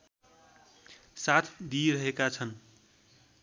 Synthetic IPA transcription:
sat̪ʰd̪iɾʌɦekat͡sʰʌn

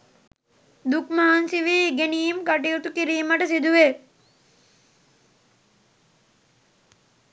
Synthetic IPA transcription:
d̪ukmaɦansiʋiːiɡeniːimkaʈ̬ijut̪ukiɾiːməʈəsid̪uʋe

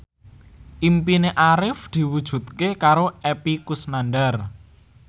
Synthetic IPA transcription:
ʔimpineʔaɾɪfd̪̥i̤wud̥ʒ̥ṳt̪̚kekaɾoɛpikusnanɖar

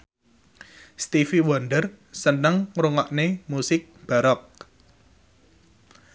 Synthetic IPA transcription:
st̪ifiwɔnɖər | sənəŋɾuŋɔʔnemusɪk̚b̥a̤ɾɔk̚

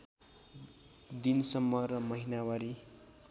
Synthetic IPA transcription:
d̪insʌmːʌɾʌmʌɦinawaɾi

